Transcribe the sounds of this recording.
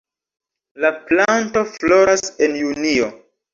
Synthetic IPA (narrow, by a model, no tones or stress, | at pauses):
laplanto̞flo̞ɾasenjunio